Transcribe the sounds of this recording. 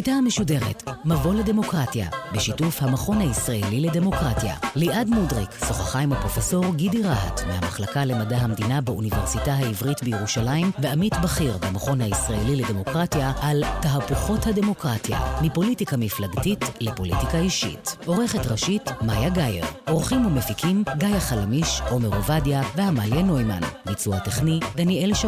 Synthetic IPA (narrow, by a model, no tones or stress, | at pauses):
ijtahameʃude̞ʁetmavo̞lede̞mo̞kʁatja̰beʃitufhamaχo̞nhaisʁaelilede̞mo̞kʁatja̰liʔadmudʁikso̞χaχajmopʁo̞feso̞ʁɡidiʁaɦa̰tmeha̰maχlakale̞madaɦamd̪inabaunive̞ʁsitaɦaivʁitbejeʁuʃalaimveamitbaχiʁbemaχo̞nhaisʁae̞lilede̞mo̞kʁatjaʔaltaɦapuχo̞thade̞mo̞kʁatja̰mipo̞litikamiflaɡtitlepo̞lḭtikaiʃḭto̞ʁe̞χetʁaʃitmajaɡajḛʁo̞ʁχimumefikʰimɡajaχalamiʃo̞meʁovadjavehamaljeno̞jma̰nmit͡suateχnidanielʃa